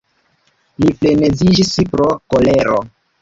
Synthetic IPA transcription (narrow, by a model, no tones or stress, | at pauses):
lifle̞ne̞zid͡ʒispɾo̞ko̞le̞ɾo̰